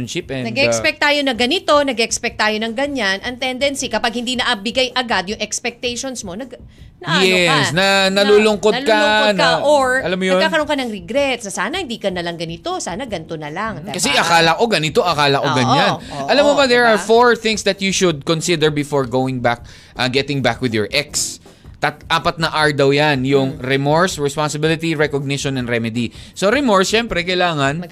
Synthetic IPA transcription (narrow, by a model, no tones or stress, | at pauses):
nʃɪpɛ̃nɐɡɛʔɛkspɛk̚t̪ːaːjo̞nɐɡɐnɪt̪o̞nɐɡɛʔɛkspɛk̚t̪ːaːjonɐŋɡɐɲanʔɐŋt̪ɛnd̪ɛnsikɐpaɡ̚hɪnd̪inɐʔɐbɪɡajʔɐɡad̪jʊŋʔɛkspɛk̚t̪ɛjʃonsmo̞nɐɡ̪ | ɐʔjɛsnɐnɐluːlʊŋkonɐlkɐnoʔoɹɐlamːojɐonkːaːkɐɾoŋkɐnɐŋɾɛɡɾɛt̪sɐsaːnɐhɪnd̪iːkɐnɐlɐŋɡɐnɪt̪o̞saːnɐɡɐnt̪onɐlaŋkɐsɛʔɐkaːlɐkoɡɐnɪt̪oʔɐkaːlɐkoɡɐɲanʔɐlamːobad̪ɛɹaɹfoɹθɪ̃ŋsd̪ɐt̪juʃʊd̪̚konsɪd̪ɛɹbɪfoɹɡowɪ̃ŋbak̚ | ʔɐɡɛt̪ɪ̃ŋbakwɪðjɔɹʔɛks | t̪ɐt̪ʔaːpɐt̪̚nɐʔaɹd̪ɐwjanjʊŋɾɛmoɹsɹɛspansɪbɪlɪt̪iɹɛkoɡ̚nɪʃonɐ̃nɾɛmɛd̪isoɾɛmoɹsʃɛmpɾɛkɐjlaːŋɐn